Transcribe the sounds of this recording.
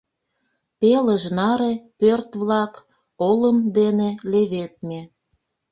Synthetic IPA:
peləʒnɑɾepørt̪βlɑk | oləmd̪eneleβet̪̚me

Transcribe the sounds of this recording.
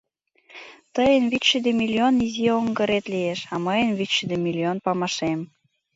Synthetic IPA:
t̪əjənβyʃəd̪emʲilʲionizioŋɡə̆ɾet̪lieʃɑməjənβytʃəd̪emʲilʲionpɑmɑʃem

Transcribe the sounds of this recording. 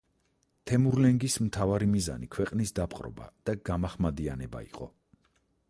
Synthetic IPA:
t̪ʰɛmuɾlɛŋɡismt̪ʰavaɾimiza̰nikʰwɛqʼnisd̪apʼqʼɾɔ̰ba̰d̪̥aɡamaχmad̪ianɛba̰ḭqʼɔ

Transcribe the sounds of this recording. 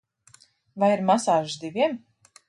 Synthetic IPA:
vajiɾmasaːʒsd̪ivʲiɛm

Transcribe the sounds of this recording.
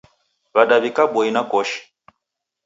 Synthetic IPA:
βaɗaβikaɓɔinakɔʃi̥

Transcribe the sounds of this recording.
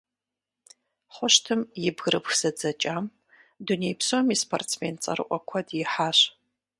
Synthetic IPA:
χʷɔʃtʰɨmjɪbɣɨɾɨpxz̥ɐd͡zɐt͡ʃʼaːm | dunejpʰsomispʰo̰rt͡sʰmeːnt͡sʼɐ̰rɨ̰ʔʷʼɔkʷʰɔdjɪħaːɕ

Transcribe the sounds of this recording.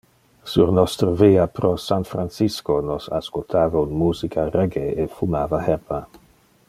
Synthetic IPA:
suɾnɔst̪ɾəviːapɾosanfɾansiskonosa̰skolt̪ʰaːvaunmuːzikʰareɡeefumaːvahɛpa

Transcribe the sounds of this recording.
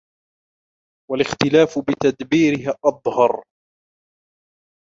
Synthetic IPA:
walɪxt̪ɪlaːfʊbɪt̪ad̪biːɾɪhʔɑðˤhɑɾˤ

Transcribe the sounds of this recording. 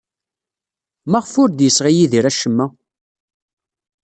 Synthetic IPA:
mæʁfʊɾd̪jəsʁijiðiɾæʃəmːæ

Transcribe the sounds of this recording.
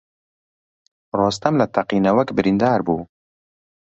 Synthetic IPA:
rɑːst̪ɐmlɐt̪ʰɐqiːnɐwɐkbɨɾind̪aːɾbuː

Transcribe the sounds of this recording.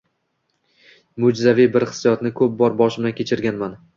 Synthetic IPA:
mʊd͡ʒzavɪjbɪɾχɪ̥sːjɒt̪nɪkʰɵp̚bɒɾbɒʃɪmd̪akʲʰet͡ʃʰɪɾɡʲanman

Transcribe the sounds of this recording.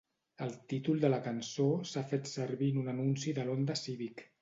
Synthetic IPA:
əlˠt̪it̪ulˠd̪ələkənsosafet̪səɾβinunənunsiðəlond̪əsiβik

